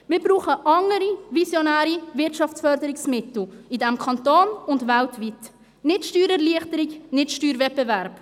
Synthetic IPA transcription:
mɪːɾbɾuːχəʔɑŋəɾivisjonæːɾivɪtʃɑft͡sfœɾdəɾɪksmɪtl̩idɛmkʰɑntoːnʊndvæltvit | nɪtʃtyːɾɛɾliəχtəɾɪknɪtʃtyːɾvɛp̚bɛvæɾp

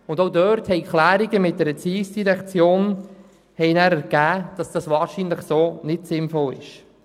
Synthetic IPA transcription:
ʊndoʊdœɾthɛɪkχlæːɾiɡəmɪt̚dɛɾət͡siːsd̥iɾɛkt͡sjoːn | hɛɪnæːɾɛɾɡ̥æːd̥ɑsd̥ɑsʋɑːɾʃinləχsoːnɪtsɪnfɔlɪ̰ʃ

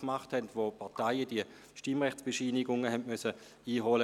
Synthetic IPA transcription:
kmaχthɛntʋoːpʰaɐtaɪəd̥iə | ʃtimʁɛxtt͡sb̥eʃiːnɪɡʊŋəɦɛntmœsə | iːɦolə

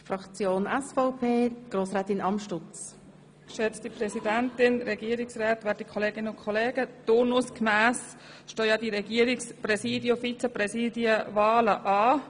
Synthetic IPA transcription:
frɑkt͡sjoːnɛsfɔʊpʰeːɡ̥roːsʁɛːt̪ɪnʔɑmʃtʊt͡s | kʃɛt͡stiprɛsidɛntɪnɾɛɡiəɾɪksraːt̪ʋɛːɾ̚dikʰɔleːɡɪnəʊnkʰɔleːɡətʊɾnuskmæːs | ʃtoːjɑːdiɾɛɡiːəɾɪksprɛsiːdjofit͡sɛprɛsiːdiəvaːləʔɑː

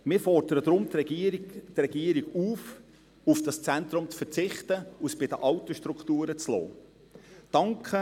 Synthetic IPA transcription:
mɪːɾfɔrd̥əɾəd̪ɾʊmt̪ | trɛɡ̥iːəɾiɡuːf | ufd̥ɑst͡sænt̪ɾʊmt͡sfəɾt͡sɪχtəusb̥ɪdəʔɑʊtoʃtɾuktuːɾət͡slɔ̰ː | d̥ɑŋkʰə

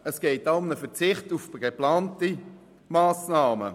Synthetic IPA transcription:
əsɡ̥ɛːt̚d̥aʊmnəfɛt͡sɪχtufɡ̥eplaːnti | maːsnaːmə̰

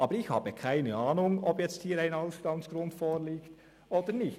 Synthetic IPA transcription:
ʔɑːbəɾɪçha̰ːbəkʰaɪnəaːnʊŋɔpjɛt͡sthiːɾaɪnaʊstɑŋsɡ̥ɾʊntfoːɾliːkt | ʔoːd̥ənɪçt

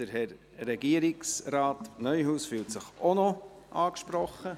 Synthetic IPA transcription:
əɾɦɛɾ | ɾɛɡiəɾɪksɾaːtnœʏhuːsfyːltsəχono | ʔɑːkʃpɾɔχːə

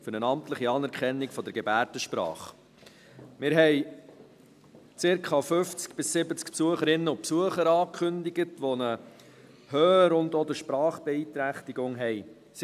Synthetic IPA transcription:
fʏɾnənɑmtləχiɑːnɛɾkʰɛnːikfɔd̪əɾɡɛbæːɾtəʃpɾɑ̰ːχ | mɪɾɦɛɪ | t͡sɪɾkχɑfʏft͡skb̥ɪsːɪbət͡skpsuəχəɾɪnːəʊpsuəχəɾɑːkʰχʏndiɡətʋonə | hœːɾʊndɔd̪əɾʃpɾɑːχb̥ɛiːt̪ɾæχtiɡʊŋɦɛj | s

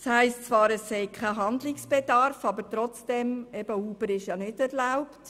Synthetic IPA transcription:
shæɪstt͡svʋɑːɾɛsːɛɪkʰæɦɑndlɪksb̥edɑɾfɑbəɾt̪ɾɔt͡sd̥ɛmɛb̥əuːb̥əɾɪʃjɑnɪdɛɾlaʊpt

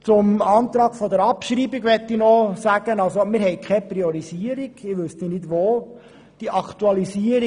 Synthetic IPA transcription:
t͡sʊmɑːnt̪ɾɑːɡ̥fɔdɛɾɑpʃɾiːbiɡʋɛtːinɔsæɡ̥ənɑlsomɪːɾɦɛɪkʰχɛpriɔɾiziəɾiɡ̥ɪʋʉstinɪdʋoː | d̥iʔɑktuɑlisiəɾi

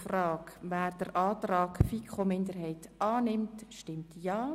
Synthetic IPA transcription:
frɑːkʋæːɾd̥əɾʔɑːtrɑːkfikχomɪndəɾɦɛɪtɑːnɪmtʃtɪmtjaː

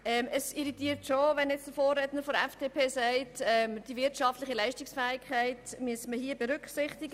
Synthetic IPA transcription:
ɛməsiɾitiːtʃoʋɛnjɛt͡sd̥əfoːrːɛdnəɾfɔdɛfd̥eːpʰeːsɛɪtɛmd̥ivɪɾtʃɑftlɪχilæɪʃtɪksfɛːɪkʰχæɪtmyəsməɦiəbɛɾʏkχsɪχt̪ɪɡə

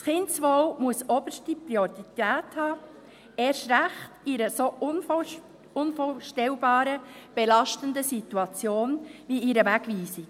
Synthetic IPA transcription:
sχɪntsʋɔwmuəsɔb̥əʃtipɾiɔɾit̪æːthɑː | ɛːɾʃɾæχtiɾəson | ʊnfoːʃtɛlbɑːɾəb̥elɑʃtəndəsituɑt͡sjoːnʋiiɾəʋæɡʋiːsi

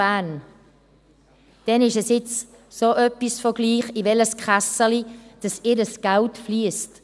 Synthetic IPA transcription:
æːn | d̥ɛnɪʃɛsɪt͡s | soːʔœpːisfɔɡliːχivɛləskχasəlid̥ɑsɪɾəsɡ̥altfliəst

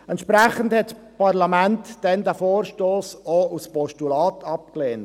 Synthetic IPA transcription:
ɛntʃpɾæχənthɛt | pɑɾlɑmæntd̥ɛnd̪æfoːɾʃtoːsouspɔʃtulɑːt̪ʰɑp̚kleːn

